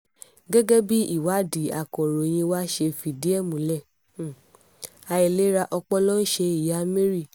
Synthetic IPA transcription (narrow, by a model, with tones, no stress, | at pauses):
ɡɛ˦ɡe˦bi˦i˦˨wa˨˦di˨˦a̰˨kɔ˨ɾo˨j̃ĩ˧wa˦ʃe˧fi˨di˦ɛ˦˨mũ˨lɛ˦˨ | a˧i˨le˨˦ɾa˧ʔɔ˧k͡pɔ˦lɔ˦n̩˦ʃe˧i˨ja˨˦me˦ɾi˦˨